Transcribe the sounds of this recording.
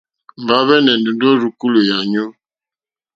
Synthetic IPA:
m˨ba˨˦βɛ˦nɛ˨ndu˨n˦dɔ˦ɾu˨ku˦lo˨ja˨ɲo˦

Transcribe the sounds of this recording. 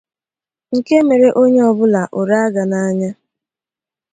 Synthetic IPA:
ŋ̩˨ke˦me˨ɾe˦ʔo˦ɲe˦ɔ˨bʊ˦la˨ʔo˨ɾa˦a˦ɡa˨na˦ɲa˦

